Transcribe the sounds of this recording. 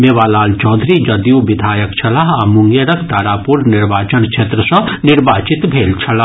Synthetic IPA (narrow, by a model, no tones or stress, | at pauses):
meːʋaːlaːlt͡ʃɔːnd̪ʱɾid͡ʒɐd̪juʋɪd̪ʱaːjəkt͡ʃʰɐlaɦamʊŋɡjeɾɐkʰt̪aːɾaːpuɾnɪɾʋaːt͡ʃənkʃʰeːt̪ɾəsɔ̃nɪɾbaːt͡ʃɪt̪bʱeːlt͡ʃʰɐla